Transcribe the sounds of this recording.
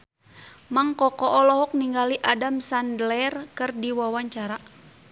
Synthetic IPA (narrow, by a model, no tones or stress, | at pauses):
maŋkɔkɔʔɔlɔɦɔk̚niŋɡaliʔadamsandlɛrkɨrdiwawaɲt͡ʃaɾa